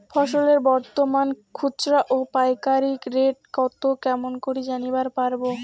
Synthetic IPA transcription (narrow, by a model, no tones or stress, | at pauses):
fʰɔʃoleɾbɔɾt̪omankʰut͡ɕɾaʔopajkaɾikɾeʈ̚kɔt̪okɛmonkoɾid͡ʑanibaɾpaɾbo